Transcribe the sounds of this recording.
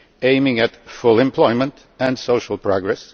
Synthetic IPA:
ẽɪ̃mɪ̃ŋɨtfʊlˠɛ̃mpʰl̥ɔɪmə̃nt | ɨ̃nsoʊʃl̩ˠpʰɹ̥ɑɡɹɛs

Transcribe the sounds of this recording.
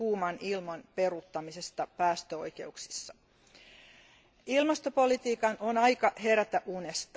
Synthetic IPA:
uːmɑnilmɑnpe̞rut̪ːɑmisest̪ɑpæːst̪øo̞̰jke̞̰uksi̥sːɑ̥ | ilmɑst̪opo̞lit̪iːkɑnʔonɑjkɑhe̞ɾæt̪æʔunest̪ɑ

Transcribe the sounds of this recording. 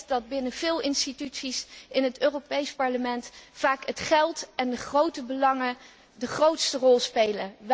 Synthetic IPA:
tdɑd̚bɪnəv̥ɪːlˠɪnstitytsisɪnɦətøːropejspɑɹləmɛntfaːkɦətχɛlˠtɛndəχrowtəbəlɑŋə | dəχrowtstərɔlˠspejləʋ

